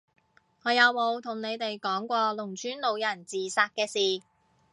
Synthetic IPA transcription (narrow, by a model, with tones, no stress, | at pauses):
ŋɔː˨˧jɐ˨˧wmo˨˧wt̪ʰʊ˨˩ŋne˨˧jt̪e˨jkɔː˨˥ŋkʷɔː˧lʊ˨˩ŋt͡ʃyː˨˥nlo˨˧wjɐ˨˩nt͡siː˨saː˧k̚kɛː˧siː˨